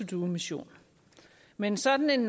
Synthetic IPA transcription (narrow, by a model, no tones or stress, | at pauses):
ud̥uːmiɕo̝̰ːn | mensɒ̽d̥n̩e̝nː